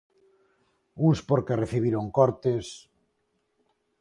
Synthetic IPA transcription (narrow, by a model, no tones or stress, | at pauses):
uŋspoɾkereθiβ̞iɾoŋkoɾt̪es